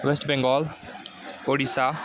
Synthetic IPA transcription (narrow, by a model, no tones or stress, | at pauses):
ʋesʈbɛ̃ŋɡɔːl | oɽisa